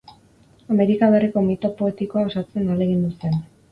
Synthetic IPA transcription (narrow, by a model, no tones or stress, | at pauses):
ame̞ɾikaβe̞riko̞mit̪o̞po̞e̞t̪iko̞aosat͡se̞nale̞ɣind̪use̞n